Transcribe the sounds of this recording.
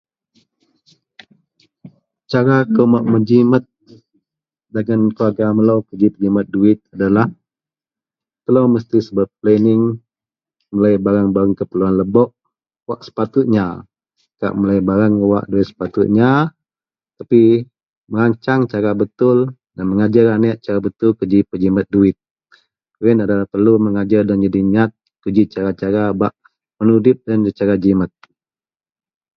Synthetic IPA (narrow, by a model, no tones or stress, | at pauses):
t͡ʃaɾakəmaʔməd͡ʒimət̪̚ | daɡankluaɡaməlawkəd͡ʒipəd͡ʒimat̪̚duɪt̪̚adalah | t̪əlawməst̪isəbat̪̚plɛnɪŋ | məlajbaɾaŋbaɾaŋkəpəluanləbɔʔ | waʔsə̥pat̪ʊt̪̚ɲa | ka̰ʔmulajbaɾaŋəwa̰ʔduɪt̪̚sə̥pat̪uʔ̪̚ɲa | t̪api | məɾaɲt͡ʃaŋt͡ʃaɾabət̪ʊl | danməŋad͡ʒaɾanɛʔt͡ʃaɾabət̪ʊlkəd͡ʒipəd͡ʒimət̪̚duɪt̪̚ | kuɾɪnadalahpərluməŋad͡ʒardand͡ʒadiɲat̪̚ | kəd͡ʒit͡ʃaɾat͡ʃaɾabaʔ | pənudɪp̚danət͡ʃaɾad͡ʒimət̪̚